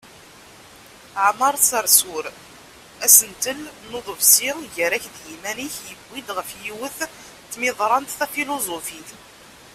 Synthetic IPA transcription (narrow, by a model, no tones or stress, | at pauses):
ʕmɑɾˤsəɾsʊɾ | æsənt̪əlnoðˤəvsiʝəɾæçðjimæniçjəbːid̪ʁəfjiwəθ | t̪ːmɪðˤɾˤɑnt̪θæfilozofiθ